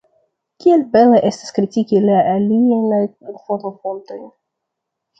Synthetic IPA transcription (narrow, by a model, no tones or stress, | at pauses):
kʲielbe̞neʔe̞stḁskɾitikilaʔaliajnajfotofonto̞jn